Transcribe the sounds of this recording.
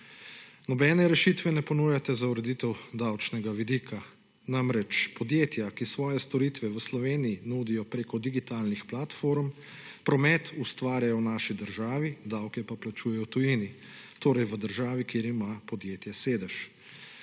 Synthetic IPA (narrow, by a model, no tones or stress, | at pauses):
nɔbɛːnɛɾɛʃit̪ʋɛnɛpɔnuːjat̪ɛzauɾɛd̪it̪ɛwd̪awt͡ʃnɛɡaʋid̪iːkʰa | namɾɛt͡ʃpɔd̪jeːt̪jakisʋɔːjɛst̪ɔɾiːt̪ʋɛʋəslɔʋeːnijinuːd̪ijɔpɾeːkɔd̪iɡit̪aːlnixplat̪foːɾm | pɾɔmɛt̪ust̪ʋaːɾʲjajɔwnaːʃid̪əɾʒaːʋid̪awkɛpaplat͡ʃuːjɛjɔt̪ujiːni | t̪oːɾɛjʋəd̪əɾʒaːʋikeːɾimapɔd̪jeːt̪jɛseːd̪ɛʃ